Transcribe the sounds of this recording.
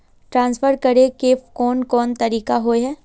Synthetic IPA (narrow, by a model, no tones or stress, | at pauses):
ʈɾãːnsfʰəɾkɐɾekeːfkɔːnkɔːnt̪ɐɾiːkaɦoeɦɛː